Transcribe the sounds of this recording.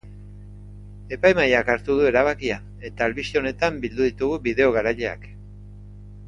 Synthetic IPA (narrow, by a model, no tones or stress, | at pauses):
e̞pajmajakaɾt̪uð̞ue̞ɾaβ̞akia | e̞t̪aːlβist̪eo̞ne̞t̪ambild̪uðit̪uɣuβiðe̞o̞ɣ̞aɾaʎe̞a̰k